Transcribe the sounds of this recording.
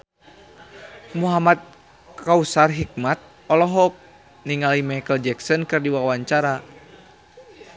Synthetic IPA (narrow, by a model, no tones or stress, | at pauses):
muɦamat̪̚ | kausarɦik̚mat̪̚ | ɔlɔɦɔk̚ | niŋalimajkəld͡ʒɛksɔnkɨrdiwawaɲt͡ʃaɾa